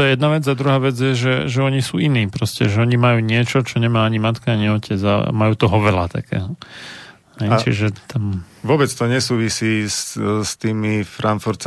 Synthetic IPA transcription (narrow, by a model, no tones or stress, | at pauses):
t̪ɔjɛjɛd̪naʋɛd͡zad̪ɾuɦaːʋɛd͡zɪjɛʒɛʒɛɔɲisuːiniːpɾɔscɛ̰ʒɛɔɲimajuːɲɪɛt͡ʃɔt͡ʃɔɲɛmaːaɲimat̪kaaɲiɔcɛd͡za̰majuːt̪ɔɦɔʋɛlat̪a̰kʰɛ̰ːɦɔ | hɛjt͡ʃḭʒɛt̪am | ʋʊɔbɛt͡st̪ɔɲɛsuːʋisiːsst̪iːmifɾanfuɾt̪t͡s